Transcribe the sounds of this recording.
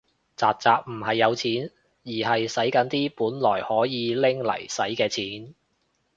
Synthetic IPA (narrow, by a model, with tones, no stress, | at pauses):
t͡saː˨k̚t͡saː˨˧k̚m̩˨˩hɐ˨jːɐ˨˧wt͡sʰiː˨˥n | jiː˨˩hɐ˨jsɐ˨˥jkɐ˨˥nt̪iː˥puː˨˥nlɔː˨˩jhɔː˨˥jiː˨˧lɪ˥ŋlɐ̰˨˩jsɐ˨˥jkɛː˧t͡sʰiː˨˥n